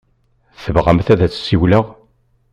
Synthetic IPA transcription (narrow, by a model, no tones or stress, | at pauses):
θəvʁəmθæðæt͡sːsiwləʁ